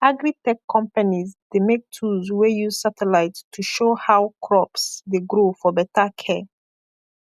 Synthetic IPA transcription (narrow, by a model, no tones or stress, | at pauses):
aɡɹitɛkʰːɔ̃mpanizdemek̚tʰulzwejuz̥satɛlaɪttʰːuʃohawkʰɹɔpsdeɡɹofɔbɛtakʰɛ